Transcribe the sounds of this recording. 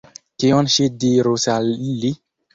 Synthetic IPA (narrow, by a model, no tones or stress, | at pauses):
tiɔ̃nʃidiɾosali